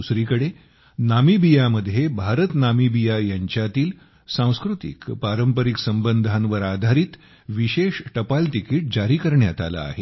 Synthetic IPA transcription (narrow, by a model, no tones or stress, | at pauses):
usɾiːkəɽe | namibijaməd̪ʱːjebʱaɾət̪namibijajaɲt͡ɕjat̪iːl | sãw̃skɾut̪ḭkpaɾəmpəɾiksəmbənd̪ʱanʋəɾad̪ʱaɾiːt̪ | ʋiɕeʂʈəpalʈikiːʈ̚d͡ʑaɾiːkəɾɳjat̪a̰la̰ːɦe